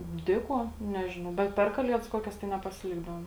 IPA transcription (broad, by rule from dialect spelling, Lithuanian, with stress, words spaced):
ˈdʲeː ˌkuɔ ˈnʲæːʒʲɪnɐʊ bʲɛt ˈpʲɛr kɐˌlʲiɛdɐs ˈkuɔkʲɛs tɐɪ nʲɛpɐsʲɪˈlʲɪɡdɐʋoːm